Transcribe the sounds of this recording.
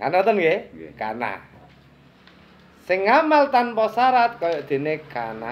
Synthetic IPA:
kanat̪ənɡeka̰na̰ | sɪŋːamalt̪anpɔsaɾat̪̚kɔjɔʔd̪̥e̤nekana

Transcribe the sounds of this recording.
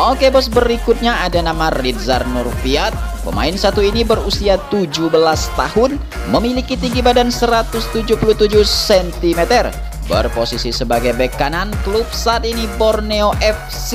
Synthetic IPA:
ʔokebɔsbəɾikut̪̚ɲaadanamarit̪̚zarnurfiat̪̚ | pə̰ma̰ɪnsat̪uinibərusiat̪ud͡ʒubəlast̪ahʊn | məmilikit̪iŋɡibadansəɾat̪ʊst̪ud͡ʒupuluht̪ud͡ʒusɛnt̪imet̪ər | bə̰rposisisəbaɡajbəkananklup̚saːt̪̚inibɔrneoʔɛf | si

